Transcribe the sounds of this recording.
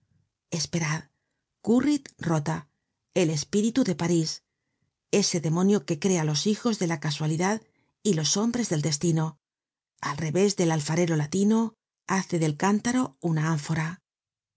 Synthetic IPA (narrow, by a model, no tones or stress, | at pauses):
e̞spe̞ɾað | kurit̪ro̞t̪a | e̞le̞spiɾit̪uðe̞paɾis | e̞se̞ðe̞mõ̞njoke̞kɾe̞alo̞sixo̞zðe̞lakaswaliðað | ilo̞so̞mbɾe̞zðe̞ld̪e̞s̬t̪ino̞ | alre̞βe̞zðe̞lalfaɾe̞ɾo̞lat̪ino̞ | aθe̞ðe̞lkant̪aɾo̞unaaɱfoɾa